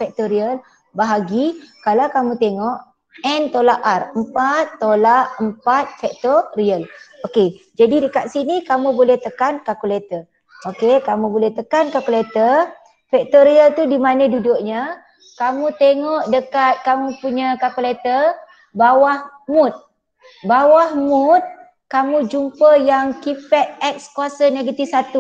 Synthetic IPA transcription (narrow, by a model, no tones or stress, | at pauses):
fɛk̚t̪oɾiəl | baɦaɡikalawkamũt̪eŋɔʔ | ɛnt̪olaʔarəmpat̪ːolaʔəmpat̪̚fɛk̚t̪oriəloked͡ʒadidəkat̪̚sinikamũbolɛht̪əkankakulet̪ə | okekamũbolɛht̪əkankakulet̪ə | fɛk̚t̪oɾiəlt̪udimanə̃dudʊʔɲa | kamũt̪eŋɔʔdəkat̪̚kamupuɲakakulet̪ə | bawahmut̪̚ | bawahmut̪̚ | kamũd͡ʒumpəjaŋkipɛt̪̚ɛk̚skuasəneɡət̪isat̪u